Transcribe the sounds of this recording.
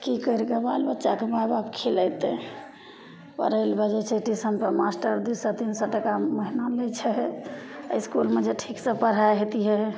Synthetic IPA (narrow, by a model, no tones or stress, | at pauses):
kikəɾɡəbalbətːʃakemababkʰelət̪e | pə̰ɾəlbɛd͡ʒet͡ʃʰeʈisəmpəmasʈəɾd̪usɔt̪insɔʈəkaməɦinalet͡ʃʰɛ | əiskulmed͡ʒeʈʰiksə̃pəɽ̤aɦet̪iɦɛ